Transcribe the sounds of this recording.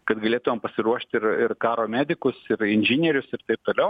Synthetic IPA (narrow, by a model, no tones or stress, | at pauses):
kɐt̪ɡɐlʲeːt̪ʊʋʲeːmpɐsʲɪɾuɔʃʲt̪ʲɪrɪrkɑːɾoːmʲæːd̪ʲɪkʊsɪrɪnʲʒʲɪnʲɛɾʲʊsɪrt̪ɐɪp̚t̪oːlʲɛʊ